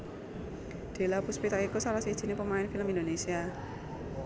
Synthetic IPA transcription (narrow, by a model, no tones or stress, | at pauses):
d̪̥e̤lapuspit̪aʔikusaɾasi̥ʒ̥i̤nepəmaɪnfiləmind̪onesia